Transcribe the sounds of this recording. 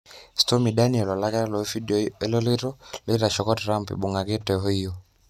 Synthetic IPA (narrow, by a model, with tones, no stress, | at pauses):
stɔ˦mi˨ɗa˦niɛ˨lɔ˨la˦ka˦lɔfidɔi˦lɔ˦li˦ɾɔli˦ɾa˨ʃɔ˨kɔ˦tɾa˦mpḭ˨ɓu˨ŋɡa˨kɛ˦tɛɦɔ˦ijɔ˨